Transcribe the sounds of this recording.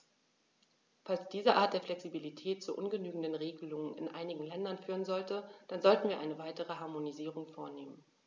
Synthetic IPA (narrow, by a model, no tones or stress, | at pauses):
falsd̥iːzəʔaːɐt̚d̥eːɐflɛksibilitʰɛːtt͡suʔʊnɡənyːɡŋ̩dənʁeːɡəlʊŋənɪ̰nʔaɪnɪɡŋ̩lɛndɐnfyːʁənzɔltəd̥anzɔltn̩viːɐʔa̰ɪnəvaɪtəʁəɦaɐmoniziːʁ̞ʊŋfoːɐneːmən